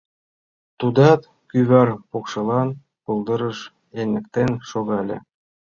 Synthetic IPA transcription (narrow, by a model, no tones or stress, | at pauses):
t̪ud̪ɑt̪ | kʲyβɑrpokʃɤ̆lˠɑn | pulˠd̪ɤ̆ɾɤ̆ʃ | enʲɘ̆kt̪enʲʃoɣɑlʲḛ̆